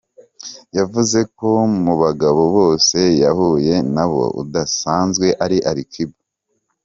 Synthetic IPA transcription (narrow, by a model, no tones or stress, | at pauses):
javuze̞ko̞muβaɡaβo̞βo̞ːse̞jahuje̞naβo̞̰ṵdasaːnzɡwe̞ʔaɾiʔaɾikʰibu